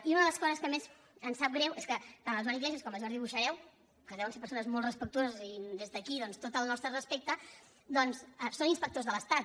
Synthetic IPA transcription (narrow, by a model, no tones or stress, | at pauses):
iunəðələskɔzəskəmez | ənsap̚ɡɾɛweskət̪anəzʒaɾiɣlɛziəskɔməlʒɔɾðiβuʃəɾɛw | kəðɛwənsepəɾsonəzmɔlˠtrəspək̚t̪uozəzid̪ezðəkiðɔnst̪ot̪əlˠnɔst̪ɾərəspek̚t̪ə | d̪ɔnsəsoninspək̚t̪ozðələst̪at̪